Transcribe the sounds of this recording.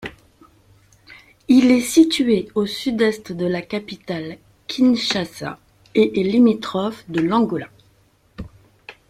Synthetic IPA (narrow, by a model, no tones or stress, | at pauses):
ilɛsit̪ɥeosyd̪ɛst̪d̪əlakapit̪al | kʲʰinʃasa̰ | eʔɛlimit̪χɔfd̪əlɑ̃ɡola